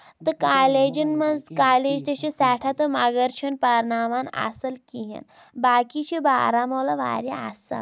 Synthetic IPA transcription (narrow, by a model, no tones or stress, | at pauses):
t̪əkaled͡ʑinmɐnzkaled͡ʑt̪eɕisɛʈʰat̪əmaɡəɾt͡ʃʰənpaɾnaʋana̰səlkiɦḛn | bakit͡ɕʰibaɾamolaʋa̰ɾjaasa̰